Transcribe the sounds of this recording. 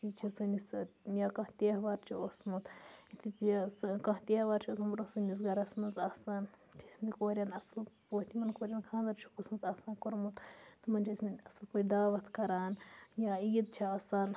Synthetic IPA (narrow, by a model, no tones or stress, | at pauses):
t͡ʃit͡ʃʰisɨnisjaːkɐɦt̪ʲeːʋaːɾt͡ʃʰiosmut̪it̪ʰit̪kɐ̃ɦt̪ʲeːhʋaːɾt͡ʃʰiot̪ʰmɐɾosɨnis̬ɡɐɾasɐnɐnzaːsaːn | t͡ʃʰisʲminʲikoːɾʲjanɐslpoːt̪imɐnkoːɾʲjaːnkʰãːnzɐɾt͡ʃʰu̥kusmut̪aːsaːnkoɾmut̪t̪ɨmɐnʲd͡ʒʰisʲmɐnʲɐsɐlpɐɾʲd̪aːʋɐt̪ʰkɐɾaːnjaːijid̪̚t͡ʃʰiaːsaːn